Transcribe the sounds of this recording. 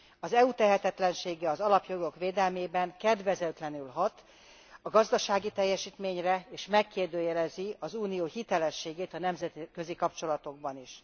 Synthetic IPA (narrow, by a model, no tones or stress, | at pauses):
ɒzɛut̪ɛɦɛt̪ɛt̪lɛnʃeːɡɛɒzɒlɒpjo̞ɡo̞kʋeːd̪ɛlmeːbɛŋkɛd̪ʋɛzɛt̪lɛnylɦɒt̪ | ɒɡɒzd̪ɒʃaːɡit̪ɛjːɛʃiːt̪meːɲrɛeːʃmɛkːeːrd̪øːjɛlɛziɒzuːnijoːhit̪ɛlɛʃeːɡeːt̪ɒnɛmzɛt̪ikøzikɒpt͡ʃo̞lɒt̪o̞ɡ̚bɒniʃ